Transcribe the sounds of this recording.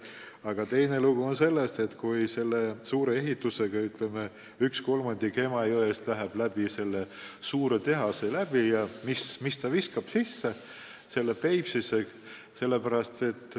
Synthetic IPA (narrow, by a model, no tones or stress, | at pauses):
ɑɡ̥ɑt̪e̞jne̞luɡ̥uo̞nse̞lːe̞st̪e̞t̪kujse̞lːesuːɾe̞e̞ɦit̪ːˑuse̞ɡ̥ɑyt̪ˑle̞me | yksko̞lmɑnd̪ike̞mɑjoest̪læɦeb̥læb̥ise̞lːe | suːɾe̞t̪e̞ɦɑselæb̥ijɑmismist̪ɑviskɑb̥sisːe̞ | se̞lːepe̞jpsise̞ | se̞lːe̞pæɾɑst̪e̞t̪ːˑ